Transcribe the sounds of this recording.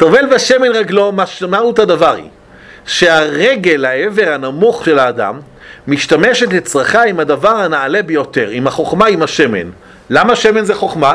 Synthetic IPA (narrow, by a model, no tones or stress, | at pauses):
t̪ovelbeʃemenʁaɡlo̞maʃmaut̪adavaʁḭ | ʃeaʁeɡelhaeve̞ʁhanamuχʃelaːda̰mː | iʃtame̞ʃetet͡sʁaχaimadavaʁhanaːle̞bejo̞te̞ʁimaχo̞χmaimaʃemḛn | lamaʃeme̞nzeχo̞χma